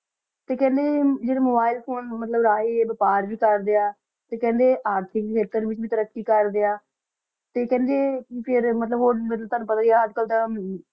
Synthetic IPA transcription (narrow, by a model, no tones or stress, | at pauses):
t̪eːkɛ̃ːnd̪eːd͡ʒeːɽeːmoːbaːɪlpʰoːnmət̪ləbɾaːɦeːʋəpaːɾʋiːkəɾd̪eaː | t̪eːkɛ̃ːnd̪eːʔaːɾʈ̪ʰɪkkʰeːt̪əɾʋɪt͡ʃbiːt̪əɾəkːiːkəɾd̪eːaː | t̪eːkɛ̃ːnd̪eːkipʰɪɾmət̪ləbɦoːɾmət̪ləbt̪aːnũːpət̪aːiaːəd͡ʒ̪kəlt̪ãː